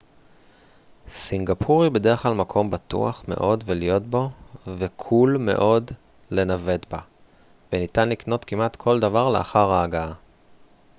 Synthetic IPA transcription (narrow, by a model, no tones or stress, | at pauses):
siŋɡapʰuʁibe̞de̞ʁeχlalmakʰo̞mbatṵa̰χme̞̰ʔo̞dvelijo̞tbo̞vekʰulme̞̰ʔo̞d | le̞nave̞tba | venitanlikno̞tkimʔat̪kʰo̞ld̪avaʁle̞ʔa̰χaʁaːɡaa